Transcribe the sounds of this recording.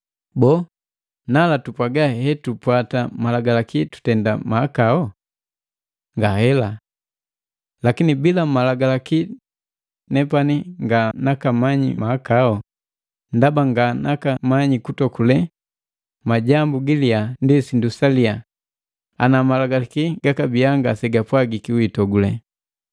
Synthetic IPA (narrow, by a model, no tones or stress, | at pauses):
bɔ | nalatupwaɡahɛtupwatamalaɡalakitu̥tɛndamaakaɔ | ŋɡahɛla | lakinibilamalaɡalaki | nɛpaniŋɡanakamaɲḭmaːkaɔ | ndabaŋɡanʔakamaɲikutɔkulɛ | maɟambuɡiliandisindusalia | a̰namalaɡalakiɡakabiaŋɡasɛɡapwaɡikiuitɔɡulɛ